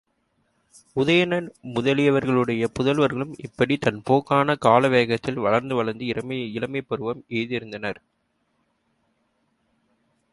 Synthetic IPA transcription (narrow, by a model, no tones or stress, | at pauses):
ʊðɐjɐnɐnmʊðɐlɪjɐʋɐɾɣɐɭɯɽɐjɐpʊðɐlʋɐɾɣɐɭɯmɪ̰pːɐɽit̪ɐnpoːkːaːnɐkaːlɐʋeːɣɐt̪ːɪlʋɐɭɐɾnd̪ɯʋɐɭɐɾnd̪ɯɪɾɐmɐɪlɐmɐɪpːɐɾɯʋɐmeːðɪɾɯnd̪ɐnɐɾ